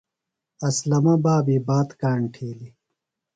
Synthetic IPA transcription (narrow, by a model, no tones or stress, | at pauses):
ɐslɐmɐbaːbibaːt̪kaːɳʈʰeːli